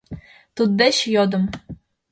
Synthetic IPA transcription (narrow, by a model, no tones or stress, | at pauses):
t̪ud̪ːeɕjod̪ɤ̆m